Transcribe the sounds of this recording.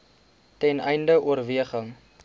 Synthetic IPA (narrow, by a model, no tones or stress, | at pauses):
tɛnɛjndəʔuərviəχəŋ